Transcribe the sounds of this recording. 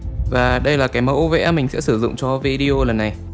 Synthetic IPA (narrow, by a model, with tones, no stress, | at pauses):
vaː˨˩ɗə˧jlaː˨˩kaː˨˦jmə˨˦wʔo˧ve˧ʔɛ˧mi˨˩ŋ̟sɛ̰˧˥sɨ˧˩zʊ̰˧˨ŋ͡mt͡ɕɔ˧vi˧ɗi˧o˧lə˨˩nːa˨˩j